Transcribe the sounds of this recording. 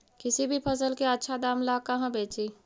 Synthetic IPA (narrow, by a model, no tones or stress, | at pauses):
kɪsibʱipʰəs̬əlkeətːʃʰad̪aːmlakɐɦãbeːt͡ʃiː